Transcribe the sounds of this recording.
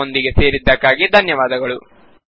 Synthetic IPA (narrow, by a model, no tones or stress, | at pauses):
ond̪iɡe̞se̞ːɾid̪ːɐkːaːɡid̪ʱɐnjɐʋaːd̪ɐɡɐɭu